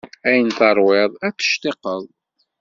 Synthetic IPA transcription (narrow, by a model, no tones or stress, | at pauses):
æjənt̪ɑɾˤwɪðˤæt͡sːə̥ʃt̪eqəðˤ